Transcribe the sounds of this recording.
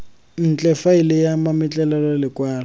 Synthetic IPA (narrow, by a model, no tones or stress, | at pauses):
n̩t͡ɬʼɛfailɪjamamɪt͡ɬʼɛlɛlalɪkʼwaːla